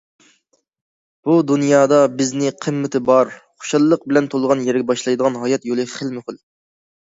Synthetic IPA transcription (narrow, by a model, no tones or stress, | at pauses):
b̥ud̪unjɑːd̪ɑbɪznɪqʰəmːɪt̪ʰɪbɑɾχo̥ʃɑlˠːəq̚bɪlɛnt̪ʰolˠʁɑnjɛɾɡʲɛbɑʃlˠɑjd̪əʁɑnɦɑjɛt̪jolˠɨχəlmɪχʊl